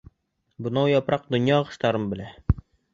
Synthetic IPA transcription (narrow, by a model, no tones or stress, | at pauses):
bɤ̆nɑwjɒpɾɑq̚d̪ŏnjɑʁɤ̆ʃt̪ɑɾɤmbɘ̆læ